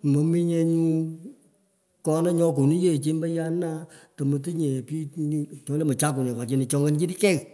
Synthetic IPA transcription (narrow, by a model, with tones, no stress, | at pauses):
mo˨mi˦ɲɛ˧ɲu˦ | kɔ˧˦nɛ˦ɲɔ˧˦k̬o˨nu˦je˦˨t͡ʃe˧˦mbə˦ja˦na˦to˨mə˨t̬ɨ˦ɲɛ˨pi˦ɲ˦t͡ʃɔ˨ŋ˦lɛ˦mə˨t͡ʃa˦ku˨nɛ˨a˨t͡ʃe˧˦ni˨t͡ʃɔ˧ŋɡə˦n˦d͡ʒi˦di˦kɛ˦ɣ